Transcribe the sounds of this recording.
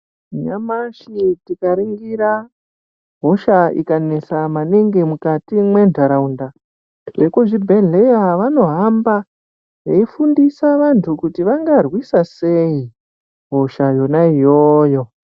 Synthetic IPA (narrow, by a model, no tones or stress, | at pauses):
ɲamaʃitikaɾiŋɡiɾa | ɦo̞ʃaḭkanesamaneŋɡemukatimwe̞ndʱaɾaunda | ʐekuʐibʱe̞ɮejaʋano̞ɦamba | jeifundisaʋantʰukutiʋaŋɡarwisase̞i | ɦo̞ʃajo̞naijoːjo̞